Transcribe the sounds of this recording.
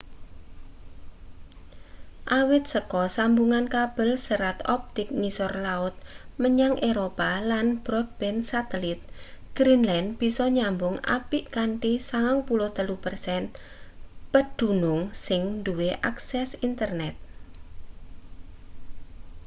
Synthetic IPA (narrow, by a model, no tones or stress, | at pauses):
ʔawɪt̪̚səkɔsambuŋankab̥ə̤lsəɾat̪ɔp̚t̪ɪk̚nisɔrlaʊt̪̚məɲaŋʔeɾopalanb̥ɾɔt̪̚b̥ɛnsat̪ɛlit̪̚ɡ̥ɾinlanb̥isɔɲambʊŋa̰piʔkaɳʈisaŋaŋpuloht̪əlupərsɛn | pəd̪̥ṳnʊŋsɪŋnd̪uweʔaksɛsint̪ərnɛt̪̚